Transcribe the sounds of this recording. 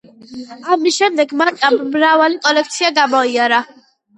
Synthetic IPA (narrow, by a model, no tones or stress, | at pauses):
amisʃɛmd̪ɛɡmaɾkʼammɾavalikʼɔlɛkʰt̪sʰiaɡamɔiaɾa